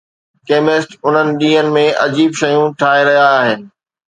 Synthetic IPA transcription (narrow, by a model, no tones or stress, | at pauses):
keːmɪsʈʊn̤ənɪ̆ɗĩːənɪ̆mẽʔɐd͡ʑiːbʃɐjũʈʰaːɦeɾɐɦijaːɦɪnɪ̆